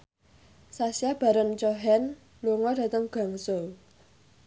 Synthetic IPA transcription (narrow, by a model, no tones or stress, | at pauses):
sasiab̥a̤ɾənt͡ʃoɦɛn | luŋɔd̥a̤t̪əŋɡ̥a̤ŋsol